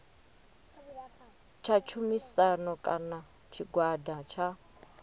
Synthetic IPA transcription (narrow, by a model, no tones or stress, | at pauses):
t͡ʃʰat͡ʃʰumisanɔkʼana | t͡ʃʰiɡwadat͡ʃʰa